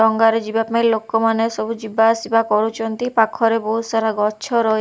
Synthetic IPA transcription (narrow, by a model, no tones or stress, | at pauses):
ɔŋɡaɾed͡ʒibapmelokːomaneʃɔbud͡ʒibasibakɔɾut͡ʃont̪ipakʰːɔɾebousaɾaɡɔtːʃʰoɾɔe